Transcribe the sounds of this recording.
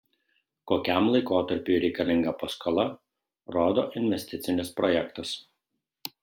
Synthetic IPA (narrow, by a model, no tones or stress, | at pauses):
koːkʲæˑmlˠɐɪkoːt̪ɐɾʲpʲuɾʲɛɪkɐlʲɪŋɡɐpɐskolˠɐ | ɾoːd̪oːʔɪnʲʋʲɛsʲt̪ʲɪt̪sʲɪnʲɪspɾɔjɛkt̪ɐs